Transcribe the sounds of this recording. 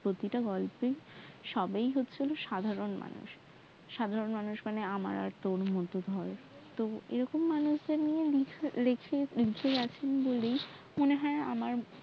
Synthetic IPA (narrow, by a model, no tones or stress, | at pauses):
pɾot̪iʈaɡɔlpeʃɔbejɦotːɕʰiloʃad̪ʱaɾonma̰nṵʃː | ad̪ʱaɾonmanuʃmaneama̰ɾa̰ɾt̪onmɔt̪od̪ʱɔɾ | t̪oḛɾɔkomːanuʃd̪eɾnijelilekʰelikʰeɡɛt͡ɕʰenbolej | moneɦɔea̰maɾ